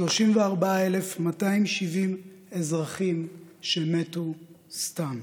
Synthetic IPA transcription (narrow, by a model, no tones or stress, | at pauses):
ʃloʃimveaʁbaaelefmataimʃivim | ezʁaχimʃemetu | stam